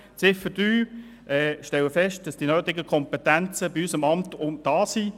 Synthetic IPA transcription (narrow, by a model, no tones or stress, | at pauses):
t͡sɪfədyː | ʔɛːʃtɛwəfɛʃt̚d̥ɑsd̥inøːtɪɡəkʰɔmpɛtænt͡səbiysəmɑmtʊmd̥ɑːsi